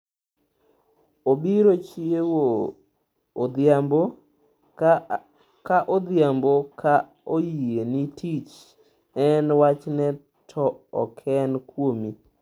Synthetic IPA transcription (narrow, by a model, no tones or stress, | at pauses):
obiɾot͡ʃiewo | d̪ambo | kaʔod̪jamboka | ojienitʰit͡ʃ | ɛnwat͡ʃnɛ | tʰɔɔ̰kʰɛnkwomi